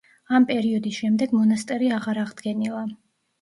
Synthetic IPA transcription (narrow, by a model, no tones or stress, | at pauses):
ampʼɛɾiɔd̪isʃɛmd̪ɛɡmɔnast̪ʼɛɾiaʁaɾaʁd̪ɡɛnilˠa